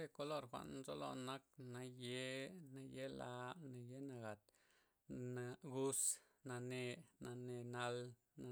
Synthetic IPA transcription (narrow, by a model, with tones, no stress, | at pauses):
ɾe˧˨ko˧lo˦˨ɾxʷa̰˧ʔnzo˦lo̰˧na˦k̚na˧je˦na˧je˦la˧na˨je˦na˧ɡa˨t̪ | na˧ɡu˦s | na˧ne˧na˧ne˧na˧l | na˨